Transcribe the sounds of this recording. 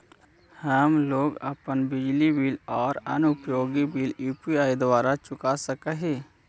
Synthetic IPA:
həmloːɡəpənbɪd͡ʒlibilɔːɾənʊpjoːɡibiljuːpiaːid̪waːɾat͡ʃʊkasəkəɦi

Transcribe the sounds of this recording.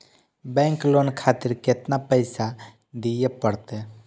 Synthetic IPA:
bɛ̃ːŋkloːnkʰaːt̪ɪɾket̪napəɪsa | d̪ijepəɽt̪e

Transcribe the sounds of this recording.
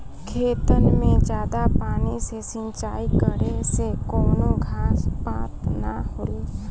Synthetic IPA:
kʰeːt̪ənmẽd͡ʒjaːd̪apaːnisesə̃nt͡ʃaːikəɾesekɔːnõɡʱaːspãːt̪na̰hoːeː

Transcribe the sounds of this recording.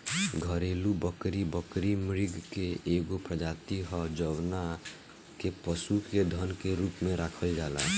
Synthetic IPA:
ɡʱəɾelubəkɾibəkɾimɾɪɡkeːɡopɾəd͡ʒaːt̪iɦɔd͡ʒəʋna | kepəsuked̪ʱənkeɾuːpmẽɾaːkʰəld͡ʒaːla

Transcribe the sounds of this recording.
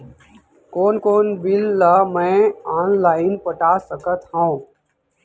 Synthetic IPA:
koːnkoːnbɪlːamɛ̃ːaːnlaːɪnpəʈaːsəkət̪ɦõː

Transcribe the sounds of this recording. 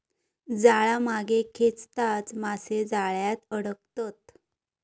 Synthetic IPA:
d͡zaɭamaɡekʰet͡st̪at͡smased͡zaɭjat̪əɽək̚t̪ət̪̚

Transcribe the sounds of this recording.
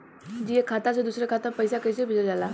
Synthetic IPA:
d͡ʑiekʰːat̪at͡sed̪usɾjakʰat̪ãpəjsakəjsebʱiləd͡zala

